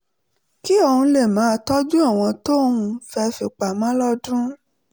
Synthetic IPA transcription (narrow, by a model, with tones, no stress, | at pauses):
ki˦o˧hũ˧le˦˨mãː˨˦˧tɔ˦d͡ʒũ˦a˦˨w̃ɔ̃˧to˦ũ˧fɛ˧fi˨k͡pa˨mã˨˦lɔ˦dũ˦